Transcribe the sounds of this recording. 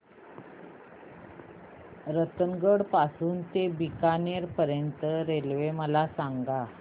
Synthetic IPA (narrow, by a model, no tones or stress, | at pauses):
ɾət̪əŋɡəɽpasuːnt̪ebikaneɾpəɾjənt̪əɾelʋeməlasaŋɡa